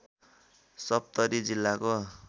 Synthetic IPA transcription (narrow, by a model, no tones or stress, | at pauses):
sʌp̚t̪ʌɾid͡zilːako